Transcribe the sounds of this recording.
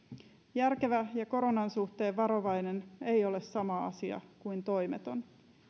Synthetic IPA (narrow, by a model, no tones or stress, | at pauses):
jærke̞ʋæjɑko̞ɾo̞nɑnsuht̪e̞ːʋʋɑɾo̞ʋɑjne̞ne̞jo̞le̞sːɑmɑɑ̰siɑ̰kujnt̪o̞jmet̪o̞n